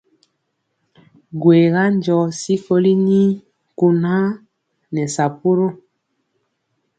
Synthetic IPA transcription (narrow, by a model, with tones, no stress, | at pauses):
ɡwe˨ɣa˦nd͡ʒɔ˨si˦ko˦li˦ni˦ | ku˨na˦ | nɛ˨sa˨pu˦ɾo˦